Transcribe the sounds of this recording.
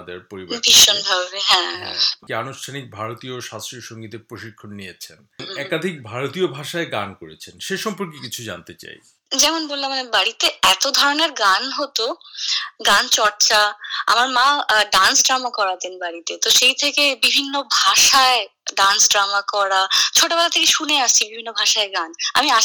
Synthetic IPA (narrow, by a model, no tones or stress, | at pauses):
d̪ḛɾpoɾibobʱiʃonbʱabeɦɛ̃kianuʃʈʰanik̚bʱaɾot̪ioʃast̪ɾioʃoŋɡit̪epɾoʃikʰːonːijet͡ɕʰenɛkad̪ʱik̚bʱaɾot̪iobʱaʃaeɡa̰nkoɾet͡ɕʰenʃeʃɔmpoɾkikit͡ɕʰud͡ʑa̰nt̪et͡ɕa̰j | d͡ʑɛmonbolːamanebaɾit̪eɛt̪od̪ʱɔɾoneɾɡanɦot̪o | ɡant͡ɕɔɾt͡ɕaa̰maɾmãɖansɖɾamakɔɾat̪enbaɽit̪et̪oʃejt̪ʰekebibʱinːobʱaʃaeɖansɖɾamakɔɾat͡ɕʰoʈabɛlat̪ʰekeʃuneaʃt͡ɕʰibibʱinːobʱaʃaeɡana̰mia